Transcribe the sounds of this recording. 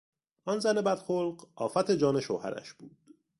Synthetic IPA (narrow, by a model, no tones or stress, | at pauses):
ʔɒnzæne̞bæd̪̥xolɢʔɒːfæt̪ʰe̞d͡ʒɒːne̞ʃo̰hæ̰ɾæ̰ʃb̥uːd̪̥